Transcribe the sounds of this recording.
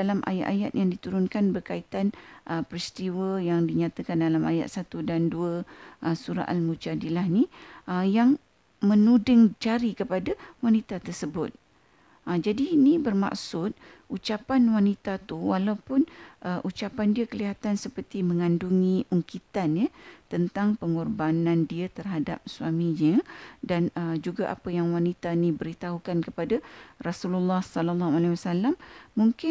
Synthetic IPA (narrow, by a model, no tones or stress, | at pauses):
dalamʔa̰ja̰ʔa̰ja̰t̪̚jaŋdit̪uɾʊnkanbərkait̪anʔəpɾist̪iwəjaŋdiɲat̪akandalama̰ja̰t̪̚sat̪udanduəʔəsuɾa̰ʔalmud͡ʒadilahniʔəjaŋ | mə̃nudəŋd͡ʒaɾikəpadawanit̪at̪ərsəbʊt̪̚ | əd͡ʒadiːnĩbərma̰ksʊt̪̚ | ut͡ʃapanwanit̪at̪uwalawpʊnʔəʔut͡ʃapandiəkəliɦat̪ansəpərt̪imə̃ŋanduŋĩʔuŋkit̪anɲət̪ənt̪aŋpəŋɔrbanãndiət̪ərɦadap̚swamĩɲədanəd͡ʒuɡaʔa̰pajaŋwanit̪anĩbəɾit̪aɦukankəpadarasululːɑhsɔlɔlːɑɦhualewasalamːuŋkɪ